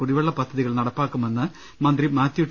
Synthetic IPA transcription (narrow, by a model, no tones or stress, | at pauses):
kuɽiʋɐɭːɐpɐd̪ʱːɐðiɣɐɭnɐɽɐpːaːkːume̞nːɨ | mɐnd̪rimaːt̪ːiuʈː